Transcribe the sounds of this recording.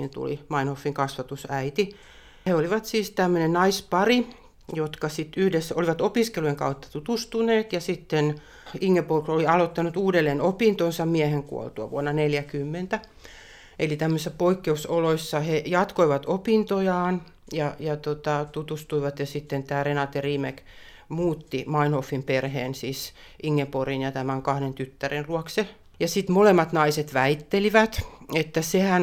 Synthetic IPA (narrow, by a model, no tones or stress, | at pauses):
ḭnt̪ṵlḭmɑinhofːiŋkɑsʋɑt̪usæit̪i | heoliʋɑt̪siːst̪æmːønennɑispɑri | jot̪kɑsit̪yhdesːoliʋɑt̪opiskelujeŋkɑ̰ut̪ːɑ̥t̪ut̪ust̪uneːt̪jɑsit̪ːen | iŋːepolkroliɑlot̪ːɑnut̪uːdelːeːnopint̪onsɑmmiæheŋkṵo̰lt̪uɑ̰ʋṵonːɑneljækymːent̪æ | elit̪æmːøisːɑpoikːeusoloisːɑhejɑt̪koiʋɑt̪opint̪ojɑːn | jɑjɑt̪ot̪ɑt̪ut̪ust̪uiʋɑt̪jɑsit̪ːent̪æːrenɑt̪ːeriːmek | muːt̪ːimɑinofːimperheːnsiːsʔiŋːeporinjɑt̪æmæŋkɑhɾent̪yt̪ːærinluɑkse | jɑsit̪molemːɑt̪nɑiset̪ʋæit̪ːeliʋæt̪et̪ːæsehæn